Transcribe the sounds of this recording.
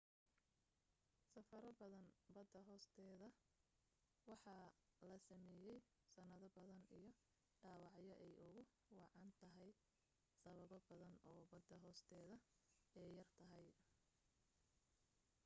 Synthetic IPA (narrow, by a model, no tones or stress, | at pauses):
sɐfɐɾɐbɐðɐnbɐd̪ːɐɦɔːst̪ʰɛːðɐ | wɑħɑːlɐsɐmɛːjɛj | sɐnɐðɐbɐðɐnḭjɞ | ɖɑːwɑʕjɐʔɛjʊɣʊ | wɑʕɑnt̪ʰɐɦɛj | sɐβɐβɔbɐðɐnɔːbɐd̪ːɐɦɔːst̪ʰɛːðɐ | ɛjjɐrt̪ʰɐɦɛj